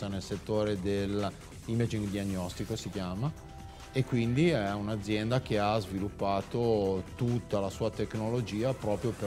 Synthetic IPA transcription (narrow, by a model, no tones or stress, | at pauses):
anelset̪ːoːɾed̪el | imad͡ʒiŋɡd̪iaɲːɔst̪ikosikjaːma | ekːwind̪iɛunad̪zːjɛnd̪ak̟eazvilupːaːt̪ot̪ut̪ːalasuːat̪eknolod͡ʒiːapɾɔːpɾjope